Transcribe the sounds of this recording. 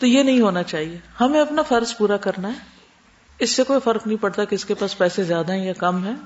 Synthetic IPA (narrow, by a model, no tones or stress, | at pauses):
t̪ojenɐɦĩɦoːnat͡ʃaːɦiehɐmẽɐpnafɐɾzpuːɾakɐɾnaɦɛː | ɪsːekoːifɐɾknɐɦĩpɐɽt̪akeɪskepaːspɛːsezjaːd̪aɦɛ̃jakɐmɦɛ̃ː